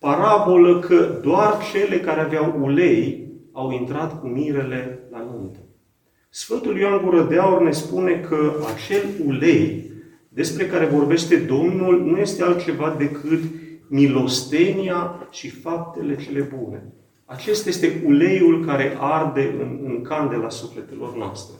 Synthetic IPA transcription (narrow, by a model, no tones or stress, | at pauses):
paɾabo̞ləkʰəd̪oart͡ʃe̞le̞kaɾeaveawule̞jawint̪ɾat̪kumiɾe̞le̞lanunt̪e | sfɨnt̪uljoanɡuɾəd̪eaurne̞spune̞kʰəat͡ʃe̞lule̞j | d̪e̞spɾe̞kaɾe̞vo̞rbe̞ʃt̪e̞d̪o̞mnulnuje̞st̪ealt̪̚t͡ʃe̞vad̪e̞kʰɨt̪milo̞st̪e̞niat͡ʃifap̚t̪e̞le̞t͡ʃe̞le̞bune̞̰ | at͡ʃe̞st̪aje̞st̪e̞ule̞julkaɾe̞ʔard̪e̞ɨ̰nɨŋkand̪elasufle̞t̪e̞lo̞̰rnoa̰st̪ɾe